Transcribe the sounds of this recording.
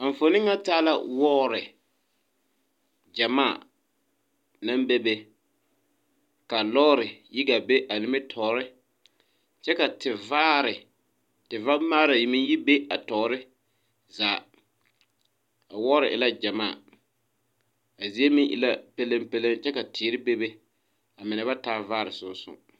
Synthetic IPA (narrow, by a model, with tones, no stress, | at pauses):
a˨ɱ̩˨fo˨nɪ̃˦ŋːa˦taː˦la˦wɔː˦ɾɪ˨ | d͡ʒa˨maː˦˨ | na˦mbe˦be˦ | ka˨lɔː˦ɾɪ˨ji˦ɡa˨be˦ʔa˨nɪ˨mɪ˦tʰɔː˨ɾɪ˦ | t͡ʃɛ˦ka˨tɪ˨vaː˦ɾɪ˨ | tɪ˨va˦maː˦ɾa˨jɪ˨mɪ˦ŋji˦be˦a˨tɔː˨˦ɾɪ˦ | zaː˨ | a˨wɔː˦ɾɪ˨ʔɪ˨la˦d͡ʒa˨maː˦˨ | a˨zi˦e˦mɪ̃˦ŋʔɪ̰˨la˦pe˦le˦mpe˦le˦ŋt͡ʃɛ˦ka˨tʰɪː˨˦ɾɪ˦be˦be˦ | a˨mɪ˨nɛ˨ba˦taː˦vaː˦ɾɪ˨sʊ˦sʊ̰˦˨